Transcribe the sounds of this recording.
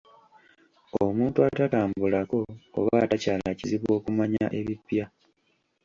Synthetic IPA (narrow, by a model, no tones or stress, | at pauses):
omuːntuatataːmbulako̞o̰βatacaːlaciziβwo̞ːkumaɲaʔe̞βipja